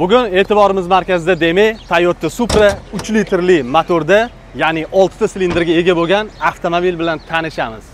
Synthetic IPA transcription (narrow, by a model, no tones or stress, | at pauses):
bʊɡʲʊne̞ːt̪ɪbɒɾɪmɪzmaɾkʲazɪd̪ad̪e̞mejt̪ʰajot̪ːasupɾaʊt͡ʃlit̪ʰɪɾlɪmat̪ʰoɾd̪a | janɪʔɒlˠt̪ʰɪ̥t̪aslind̪ɪɾɡʲae̞ɡʲaboɡʲanaft̪ʰomobilbɪlant̪ʰanɪʃamɪz̥